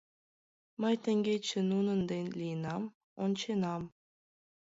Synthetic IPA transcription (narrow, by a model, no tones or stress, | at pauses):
mɘ̆jt̪ʲɘ̆ŋʲɡʲet͡ɕːɘ̆nunɤ̆nd̪enʲlʲijnɑm | ont͡ɕenɑm